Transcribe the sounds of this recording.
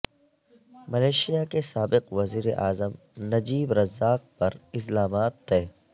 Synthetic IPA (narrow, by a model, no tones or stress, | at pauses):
mɐleːʃijakesaːbɪqʋɐziːɾeʔaːzəm | nɐd͡ʒiːbɾɐzːaːq̚pɐɾɪslaːmaːt̪ːeː